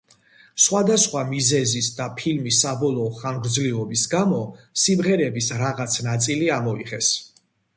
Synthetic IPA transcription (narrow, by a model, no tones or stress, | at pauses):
sχwad̪asχwamizɛzisd̪apʰilmisːabɔlˠɔːχaŋɡɾd̪zliɔbisɡamɔsimʁɛɾɛbisɾaʁat̪sʰnat̪sʼiliamɔiʁɛs